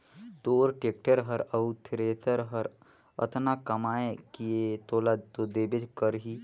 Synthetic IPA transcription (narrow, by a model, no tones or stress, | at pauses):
t̪oːɾʈeːk̚ʈəɾɦəɾəut̪ʰɾeːt̪əɾɦəɾ | ə̰t̪nakɐmaːekiet̪oːlad̪t̪od̪eːbed͡ʒkəɾɦi